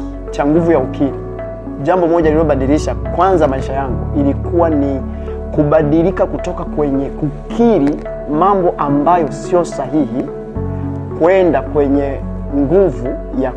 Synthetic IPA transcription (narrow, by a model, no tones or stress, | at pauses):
t͡ʃaŋɡuvujaukʰiɾi | ʄambɔmɔʄaliɔɓaɗiɾiʃakwanzamaiʃajaŋɡuilikuwani | kuɓaɗilikakutɔkakwɛɲɛukʰiɾi | mambɔʔambajɔsiɔsaɦihi | kuɛndakwɛɲɛ | ŋɡuvu | ja